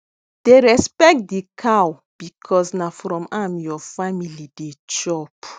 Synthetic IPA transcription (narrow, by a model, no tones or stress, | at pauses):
d̥eɹɛspɛk̚t̚dikʰaw | b̥ikʰɔsnafɾɔ̃mamjɔfamilidet͡ʃɔp